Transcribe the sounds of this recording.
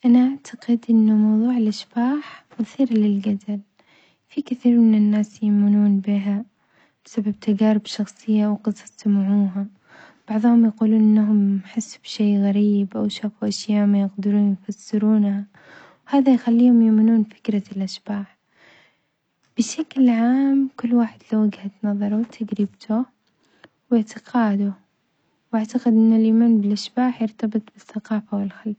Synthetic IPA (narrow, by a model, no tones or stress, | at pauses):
ʔanaʔaʕt̪ʰaqɪd̪ʔɪnːʊmɑwðˤuːʕɪlʔaʃbaːħmʊθˤiːɾlɪlɡad̪al | fikɪθiːɾmɪnɪnːaːsjamɪnuːnbiɦa | b̥ɪsabːab̚t̪ʰad͡ʒaːɾɪbʃɑxsˤɨjːawqɑd̪sˤɑst̪maʕuːɦa | b̥ɑʕðˤhʊmjaquːluːnʔɪnːɦʊmħɪsːu̥b̥ʃeːɣaɾiːbʔawʃaːfuʔaʃjaːʔmajɪqd̪ɪɾuːnjfasːɪɾuːnha | whaːðajxalːiːhʊmjʊmɪnuːnfɪ̥kɾˤɑlʔaʃb̥aːħ | b̥ɪʃaklʕaːmkʊlːwaːħɪd̪lawːaɡhat̪nɑðˤɑɾˤut̪ʰaɡɾɪbt̪ʰu | wɪʕt̪ɪqʰɑːd̪ʊ | wʔaʕt̪aqɪd̪ʔɪnːalʔiːmaːnbɪlʔaʃbaːħjɪɾt̪ɑbɨt̪ˤb̥ɪθːɑqɑːfawɪlxalf